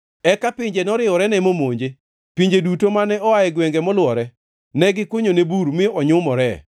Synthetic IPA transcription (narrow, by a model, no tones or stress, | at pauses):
ɛkapɪɲd͡ʒenɔɾɪɔɾɛnɛmomoɲd͡ʒe | piɲd͡ʒedutomanɛɔaɛɡwɛŋɡɛmɔlwɔɾɛ | nɛɡɪkwoɲonebuɾmɪɔɲʊmɔɾɛ